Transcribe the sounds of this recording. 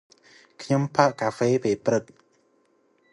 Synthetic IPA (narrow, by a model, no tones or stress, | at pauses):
kʰɲompʰaʔkaːfeːpeːprɨt̪̚